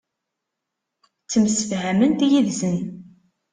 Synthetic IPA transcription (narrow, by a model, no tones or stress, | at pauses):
t͡sːəmsəfhæmənt̪jiðzən